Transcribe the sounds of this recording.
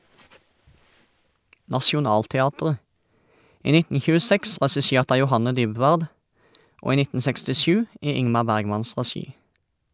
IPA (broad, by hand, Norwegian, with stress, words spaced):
nɑʃʊˈnɑːltɛˌɑːtʁə ˈiː ˈnɪtn̩ çʉəˈsɛks ʁɛsɪˈʃeːʁt ˈɑː jʊˈhɑnə ˈdʏˌbʋɑːd ˈoː ˈiː ˈnɪtn̩ sɛkstɪˈʃʉː ˈiː ˈɪŋmɑ ˈbæʁɡˌmɑns ʁɛˈʃiː